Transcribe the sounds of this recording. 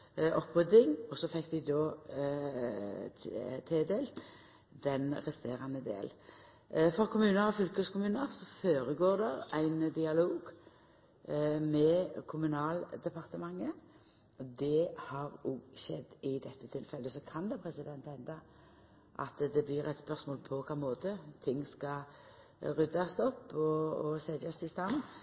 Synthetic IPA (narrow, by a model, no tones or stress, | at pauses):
ʔɔpʁʏd̪ɪŋɔsɔfɛkːd̪ɪd̪oː | t̪ʰeːd̪eːlt̪ | d̪̥ɛnʁɛst̪eːʁɑnəd̪ḛːl | fɔʁkʰʊmʉːnəɾɔfʏlkəskʰʊmʉːnəʁsɔføːɾəɡoːʁd̪ɛæɪnd̪ɪɑloːɡ | mɛkʰʊmʉnɑːld̪ɛpɑʁt̪əmɑŋːə | d̪ɛhɑɾʊɡʃɛd̪ːɪd̪ɛt̪ʰːət̪ʰɪlfɛlːəsɔkʰɑnd̪ɛpʰɾɛsɪd̪ɛnt̪hɛnd̪ɑ | ʔɑ̰t̪d̪ɛblɪɾæɪt̪spœʁsmoːlpʰɔkʰɑːmoːt̪ət̪ʰɪŋːskɑ | ʁʉd̪ɑst̪ɔpːɔɔsɛd̪ɑst̪ʰɪst̪ɑnən